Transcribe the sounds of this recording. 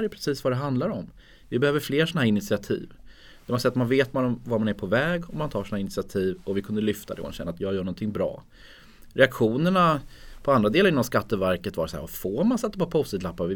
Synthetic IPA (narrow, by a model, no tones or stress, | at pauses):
ɾɛjɵpʰɾɛsiːsvad̪ɛɦand̪laɾɔm | vɪbɛhøːvəɾfleːɾʂɔnaɦæːɾɪnɪt̪sɪat̪ʰḭːv | d̪ɛmansɛjːat̪manveːt̪vaɾɔmvaɾmanæɾpʰɔvɛːɡɔmant̪ʰɑːɾʂɔnhaɪnɪtsɪat̪ʰiːvɔvɪkʰɵnd̪əlʏft̪ʰad̪ɛ̰ma̰nɕɛnːat̪jɑːɡjœːɾɳɔnt̪ʰɪŋbɾɑ̰ː | ɾɛakɧuːnəɳapʰɔand̪ɾad̪eːlaɾɪnːɔmskat̪ːəvæɾkət̪vaɾsæ̰ːɾvafoːɾmansɛt̪ːapɔpʰɔst̪əlapːavɪ